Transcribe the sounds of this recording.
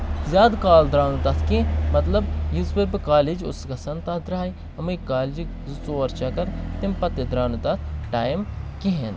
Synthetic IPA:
zʲjaːd̪kaːld̪ɾaːnut̪ɐt̪ʰkimɐt̪lɐbjizpeɾbikaːlid͡ʒʊ̰sɡɐsɐnt̪ɐtʰd̪ɾaːi | ɐmɐjkaːld͡ʒi | zt͡soːɐɾt͡ʃakɐɾt̪impɐt̪id̪ɾaːnut̪ɐt̪ʰʈaːjmkiɦen

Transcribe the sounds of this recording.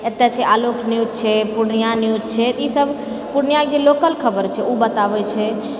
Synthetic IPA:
et̪jat͡ʃʰɛʔalokʰniud̪t͡ʃʰɛpuɾnijaniud̪t͡ʃʰɛt̪isəbʱ | puɾnjakd͡ʒelokəlkʰəbəɾt͡ʃʰɛubət̪abɛt͡ʃʰɛ

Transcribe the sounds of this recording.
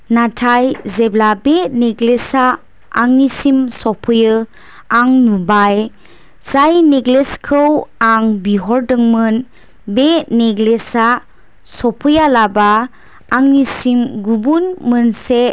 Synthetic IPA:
natʰajzeblabeneɡlesaː | ŋnisimsɔpʰɯjɯ | aŋnubaj | z̥ajneɡleskʰɯwaŋbiɦɔɾdɯŋmɯn | beneɡlesa | sɔpʰɯjalabaː | ŋnisimɡubunmɯnse

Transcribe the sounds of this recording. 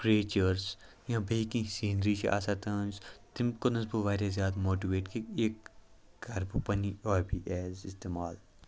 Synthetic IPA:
kɾeːt͡ʃəɾs | jãːbeikĩsĩːnɾiːt͡ʃḭʔa̰ːsaːt̪ɐ̃ːnzt̪ɪmkʊnɐsbuʋaːɾʲjazjaːd̪moːʈiʋeːʈkeeːk̚ | ɡɐɾbupɐniɔːɾbʱiʔɛːzɪst̪eːmaːl

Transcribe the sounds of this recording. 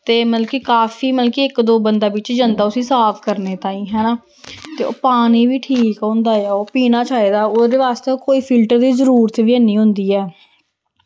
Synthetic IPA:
t̪eːməlkikaːfiːməlkiɪkd̪oːbənd̪aːʋɪt͡ʃd͡ʒənd̪aːʊsĩːsaːpʰkəɾneːt̪aːĩːɦɛːnaː | t̪eːo̰ːpaːniːʋiːʈʰiːkɦõːnd̪aːjaːoːpiːnaːt͡ʃaːiːd̪aːod̪eːʋaːst̪eːokoːiːpʰɪlʈəɾd̪iːzəɾuːɾət̪ʋiɛnĩːɦʊ̃nd̪iːɛː

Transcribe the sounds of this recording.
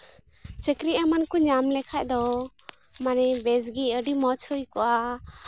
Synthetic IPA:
t͡ʃəkɾiamankuɲamlɛkʰac̚ˀd̪ɔ | manɛbɛsɡiəɖimɔt͡ʃʰhəjkɔʔa

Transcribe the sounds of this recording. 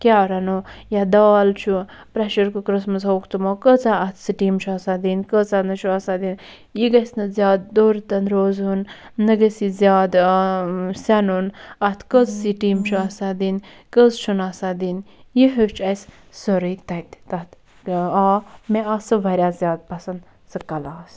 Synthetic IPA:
kʲaɐɾɐnujad̪aːlt͡ʃʰu | pɾɛʃɐɾkukɾəsmɐzoːkʰt̪umokət͡saɐt̪ʰsiʈiːmt͡ʃʰuɐsad̪inkət͡sanɐʃʰuasad̪in | jiɡɐsnɨzʲaːd̪̚ːoːɾt̪ɐnɾoːzunː | əɡɐsizʲjaːd̪ | sɐnunɐt̪ʰkəzsiʈiːmt͡ʃʰuasad̪in | kəzt͡ʃʰunɐːsad̪injiɦet͡ʃʰɐs | soɾɨt̪ɐt̪t̪ɐt̪ | aːmeɐsɨʋɐɾʲjaːzʲjaːd̪̚pɐsɐnd̪ | sɨkɐlaːs

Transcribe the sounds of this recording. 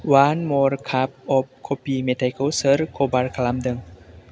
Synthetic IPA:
wãnmɔɹkʰap̚ɔp̚kʰopimetajkʰəsəɾkʰobarkʰalamdəŋ

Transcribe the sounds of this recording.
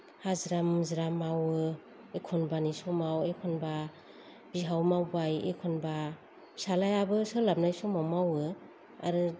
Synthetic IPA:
hazɾamzɾamawɯ | ekʰɔnbanisɔmawekʰɔnba | b̥iɦawmawbajḛkʰɔnba | salajabɯsɯlam̚najsɔmamawɯ | a̰ɾɯ

